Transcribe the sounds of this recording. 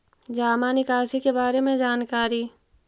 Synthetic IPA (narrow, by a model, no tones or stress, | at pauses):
d͡ʒaːmanɪkaːʃikebaːɾemẽd͡ʒaːnkaːɾi